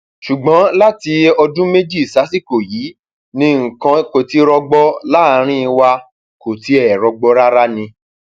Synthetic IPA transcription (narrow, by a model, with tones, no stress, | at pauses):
ʃu˨ɡ͡bɔ̃˨˦la˦ti˧ɔ˧dũ˦me˦d͡ʒi˦˨sa˨˦si˦ko˨jiː˨˦ | nĩ˧ŋ̩˨kã˧ko˨ti˧ɾɔ˧ɡ͡bɔ˦la˦˨˧ɾ̃ĩ˦˧wa˧ | ko˨ti˨˦ɛ˦˨ɾɔ˧ɡ͡bɔ˧ɾa˦ɾa˦nĩ˧